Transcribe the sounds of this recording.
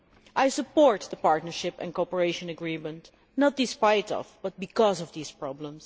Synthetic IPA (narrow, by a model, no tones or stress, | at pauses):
ʔajsəpɔɹt̪̚ðəpaɹtnəɹʃɪpɛ̰̃nkopəɹeɪʃə̃nəɡɹimə̃nt | nɔt̚d̥ɨspajtɔ̰vb̥ʌt̚bikɔzɔvðiːspɹɑblə̃ms